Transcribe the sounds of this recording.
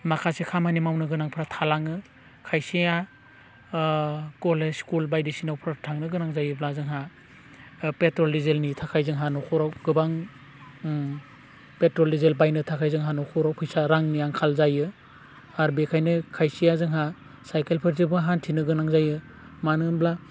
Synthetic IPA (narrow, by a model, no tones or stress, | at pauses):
makʰasekʰamanimawnɯɡɯnaŋpʰɾatʰalaŋɯ | kʰajsija | kɔlesskulbajdisinawpʰɾatʰaŋnɯɡɯnaŋzajɯblazɯŋɦa | petɾɔldizelnitʰakʰajzɯŋɦanɔkʰɔɾawɡɯbaŋ | petɾɔldizelbajnɯtʰakʰajzɯŋɦanɔkʰɔɾawpʰɯjsaɾaŋnijaŋkʰalzajɯ | aɾbekʰajnɯkʰajsijazɯŋɦa | sajkelpʰeɾzibɯɦantʰinɯɡɯnaŋzajɯ | manɯnbla